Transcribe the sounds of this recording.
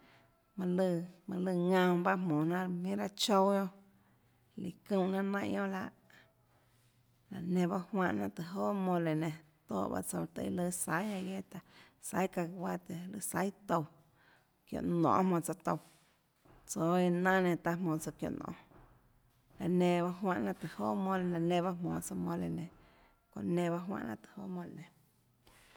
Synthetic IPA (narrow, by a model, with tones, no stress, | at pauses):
mã˧lɨ˧mã˧lɨ˧ŋã˧mba˦ɦmõ˨nã˦mĩ˦ɾa˦t͡ʃo˦wjo˦ | li˨kũ˦˧˨nã˦nã˧ʔjõ˦la˧ʔ | la˨nẽ˧˨ba˦hwã˧ʔnã˧ʔt̪ɨ˨ɦoː˦ʔmõ˧le˨nẽ˧˨t̪o̰ː˦˨ʔba̰˦t͡so˧˨t̪a̰˧ḭ˧lɨ˧sa˦ja˧je˦t̪a˧ | sa˦jka˧˨wa˦t̪e˧˨lɨ˧˨sa˦jt̪o˧w | kjõ̰˧˨ʔnɔ̰̃ː˧˨˦mõ˧˨t͡sa˧t̪o˧w | t͡so˧˦i˧nã˦nẽ˧˨t̪a˧ɦmõː˧˨t͡so˧kjo̰˧˨nɔ̰̃˧˨ | la˨nẽ˧˨ba˦ɦwã˧ʔnã˧ʔt̪ɨ˨hoː˦mõ˧le˧la˨nẽ˧˨ba˦mõː˨t͡so˧mõ˧le˧nẽ˨ | kõ̰˧˨ʔnẽ˧ba˦ʔɦwã̰˧ʔnã˧t̪ɨ̥˧ho˦mõ˧le˨nẽ˨